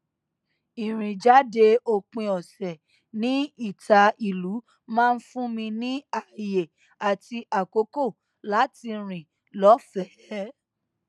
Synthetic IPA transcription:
i˨ɾ̃ĩ˨d͡ʒa˨˦de˧o˧k͡pĩ˧ɔ˨sɛ˨ | nĩ˨˦i˦˨ta˨˧i˨lu˨˦ | mãː˦˧n̩˦fũ˦mĩ˧nĩ˦a˦˨je˨ | a˨ti˧ʔa˨ko˨˦ko˦˨ | la˨˦ti˧ɾ̃ĩ˨ | lɔ˨˦fɛ˨ɛ˨˦

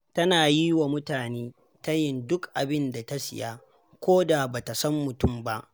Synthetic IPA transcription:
tɐ˦naː˨ji˦wa˨mʊ˦taː˨neː˦ | ta˦jɪ˨ndʊ˦kʔa̰˨bɪ˦nda˨ta˦sɪ̰˨ja˦ | kʷoː˦da˨baː˨ta˨sɐ˦mːʊ˨tʊ˦˨mba˦ʔ

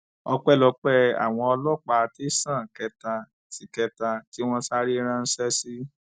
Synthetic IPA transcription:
ɔ˧k͡pɛ˦˨lɔ˧˦k͡pɛ˦a̰˨w̃ɔ̃˧ɔ˧lɔ˦k͡pa˧ti˦sã˦˨kɛ˧ta˧ | ti˨˦kɛ˧ta˧ti˦w̃ɔ̃˧sa˦ɾi˦ɾ̃ã˧n̩˦sɛ˦si˦

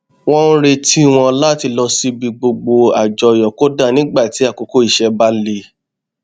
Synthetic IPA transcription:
w̃ɔ̃˦ɾe˧tʰi˦w̃ɔ̃˧la˦ti˧lɔ˧si˧bi˧ɡ͡bo˧ɡ͡bo˧a˨d͡ʒɔ˧˨jɔ˨ko˨˦da˦˨nĩ˦ɡ͡ba˦˨ti˨˦a˦˨ko˨˧ko˦˨i˦˨ʃɛ˧ba˦le˧

